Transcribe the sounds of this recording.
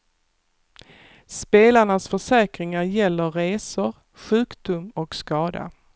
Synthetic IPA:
speːlaɳasfœʂɛːkɾɪŋaɾjɛlːəɾeːsʊɾ | ɧʉ̟ːkd̪̥ʊmɔkskɑːd̪a̰

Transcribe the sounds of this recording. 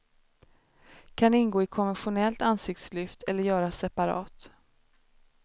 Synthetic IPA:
kʰanɪnɡoːɪkʰɔnvɛnɧʊnɛlt̪ansɪk̚t̪slʏft̪ʰɛlːəɾjœːɾasɛpaɾɑ̰ːt̪

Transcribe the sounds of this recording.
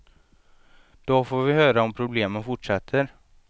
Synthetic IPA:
d̪̥ofoːɾvɪhøːɾaɔmpʰɾʊbleːmənfʊʈʂɛt̪ʰːəɾ

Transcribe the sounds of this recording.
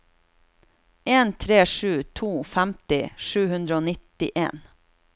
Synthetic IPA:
eːnt̪ʰɾeːʂʉːt̪ʰuːfæmt̪ɪʃʉːhʉnd̪ɾəoːnɪt̪ɪʔḛːn

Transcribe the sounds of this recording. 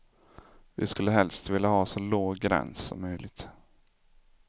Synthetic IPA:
vɪ̰skɵlːəɦɛlst̪vɪlːahɑːsɔloːɡːɾɛ̰nssɔ̰mːœjlɪɡ̚t̪

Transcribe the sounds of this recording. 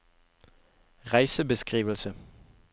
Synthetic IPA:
ʁɑɪsəbəskʁiːʋəl̩sə

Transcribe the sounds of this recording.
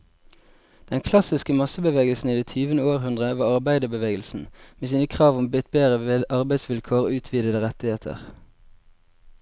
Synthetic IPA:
d̪̥ɛnkʰlɑsɪskəmɑsəbəʋeːɡəlsn̩iːd̪ɛt̪ʰyːʋənəoːʁhʉnd̪ʁəʋɑːʁɑʁbæɪd̪əbəʋeːɡəl̩sn̩meːsiːnəkʰʁɑːʋʊmbɪt̪̚beːʁəʔɑʁbæɪsʋɪlkʰoːʁːʉːt̪ʰʋiːd̪əd̪əʁɛt̪ɪheːt̪ʰə̰ʁ

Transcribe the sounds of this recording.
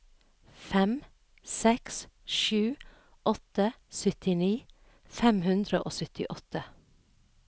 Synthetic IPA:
fɛm | sɛksʃʉː | ʔɔt̪ə | sœt̪ɪniː | fɛmhʉnd̪ɾəʔo̰ːsœt̪ɪ̰ʔɔt̪ə

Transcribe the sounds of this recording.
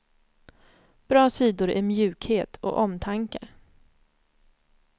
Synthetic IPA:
b̥ɾɑːsiːd̪ʊɾæ̰ɾmjʉ̟ːkheːt̪ʰɔ̰ʔɔmt̪ʰaŋkə

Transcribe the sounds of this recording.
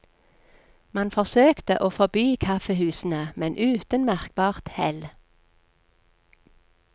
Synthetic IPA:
mɑnfɔʁsøːkt̪əʔoːfɔbyːkʰɑfəhʉːsn̩əmɛnʔʉːt̪ənmæʁk̚bɑːʁt̪hɛl

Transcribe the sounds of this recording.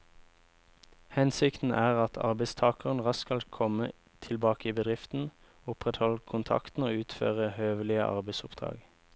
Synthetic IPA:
hɛnsɪkt̪n̩ʔæːʁɑt̪ʰɑ̰ʁbɛɪst̪ʰɑːkəʁnʁɑskɑlkʰɔmə | t̪ʰɪlbɑːkəiːbəd̪ʁɪft̪n̩ | ʊpʁɛt̪hɔlkʰʊnt̪ʰɑ̰kt̪n̩oːʉːt̪fø̰ːʁəhøːʋəlɪəʔɑ̰ʁbɛɪsʊpd̪̥ʁɑ̰ːɡ

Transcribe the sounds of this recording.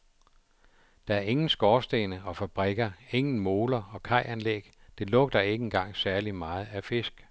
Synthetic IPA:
d̥ɑ̈æɐe̝ŋn̩sɡ̥ɒːsd̥enəɒ̽fæb̥ʁɛɡ̥ɐeŋn̩mo̝ːlɐɒ̽kʰɑ̈ɪ̰ʔænleɡ̥d̥e̝lɔ̽ɡ̥̚d̥ɐe̝ɡ̥əe̝nɡ̥ɑ̈ŋ̰sæɐlimɑ̈ːð̞̩ˠæfe̝sɡ̥

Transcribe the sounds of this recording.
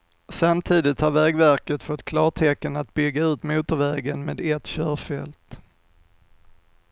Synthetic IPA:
samt̪ʰiːd̪ɪt̪haɾvɛːɡvæɾkət̪fɔt̪ːkʰlɑːʈʰɛkːənat̪bʏɡːaʉ̟ːt̪muːt̪əɾvɛːɡənmeːd̪ɛt̪ːɕœːɾfɛlt̪

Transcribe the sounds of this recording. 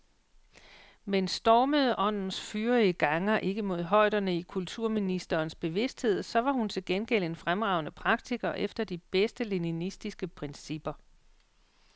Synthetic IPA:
mensd̥ɒːməð̩ˠʔɒ̽n̰n̩sfyːɐiɡ̥ɑ̈ŋɐʔe̝ɡ̥əmo̝ð̞̰ˠɦɒ̽ɪ̰d̥ɐnəikʰult͡sʰuɐ̰minisd̥ɐːnsb̥e̝ʋe̝sd̥he̝ð̞̰ˠsɒ̽ʋɑ̈hunt͡sʰe̝lɡ̥enɡ̥el̰e̝nfʁamʁɑ̈ʊnəpʰʁɑ̈ɡ̥̚t͡sʰiɡ̥ɐʔefd̥ɐd̥ib̥esd̥əle̝ninisd̥isɡ̥əpʰʁɛnsib̥ɐ

